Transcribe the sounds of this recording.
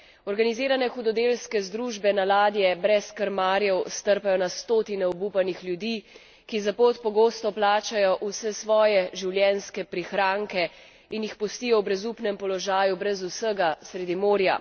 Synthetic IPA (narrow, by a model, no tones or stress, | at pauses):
ɔɾɡaniziːɾanɛxud̪ɔd̪elskɛzd̪ɾuʒbɛnalaːd̪jɛbɾɛskəɾmaːɾjɛwst̪əɾpajɔnast̪oːt̪inɛɔbupanixljud̪iː | kizapoːt̪pɔɡoːst̪ɔplaːt͡ʃajɔʔusɛsʋɔːjɛʒiwljɛnskɛpɾixɾaːŋkɛ | injixpɔst̪ijɔwbɾɛzupnɛmpɔlɔʒaːjubɾɛzusəɡasɾed̪imoːɾja̰